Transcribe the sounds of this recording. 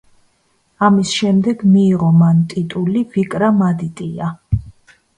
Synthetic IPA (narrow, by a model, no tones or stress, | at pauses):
amisʃɛmd̪ɛɡmiːʁɔmant̪ʼit̪ʼulivikʼɾamad̪it̪ʼia